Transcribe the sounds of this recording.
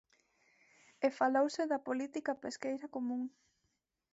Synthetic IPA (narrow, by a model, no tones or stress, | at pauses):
efalowsɪðɐpolit̪ikɐpeskejɾɐkomũŋ